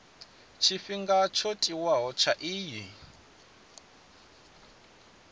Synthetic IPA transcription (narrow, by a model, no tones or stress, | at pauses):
t͡ʃʰifiŋɡat͡ʃʰɔtʼiwaɦɔt͡ʃʰaʔiːji